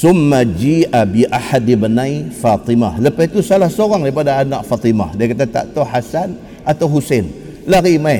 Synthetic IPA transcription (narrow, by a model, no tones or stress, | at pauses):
sʊmːad͡ʒiʔabiʔaħat̪̚dibənãjfat̪ˤimahləpait̪usalahsoɾaŋdaɣip̬adaːnaʔfat̪ima̰hdakat̪̬at̪a̰ʔt̪ɔhasan | at̪awɦusen | larimaj